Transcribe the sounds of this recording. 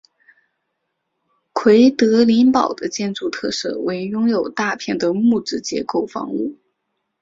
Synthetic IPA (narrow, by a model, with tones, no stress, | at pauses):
kʰwe˧˥ɪt̪ɤ˧˥li˧˥npɑ˨˩ʊd̪ə˦t͡ɕjɛ˥˧nt͡su˥˧t̪ʰɤ˥˧sɤ̰˥˩we˧˥ɪjʊ˥ŋjo˨˩ʊt̪a˥˧pʰjɛ˥˩nd̪ə˩mu˥˩ʈ͡ʂɻ̩˥t͡ɕjɛ̰˧˥ko˥˩ʊfɑ̰˧˥ŋu˥˩